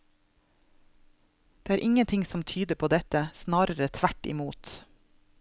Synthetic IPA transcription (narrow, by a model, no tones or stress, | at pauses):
d̪̥eːæːɾʔɪŋənt̪ʰɪŋsɔmt̪ʰyːd̪əpʰoːd̪ɛt̪əsnɑːɾəɾət̪ʰʋæʈɪ̰muːt̪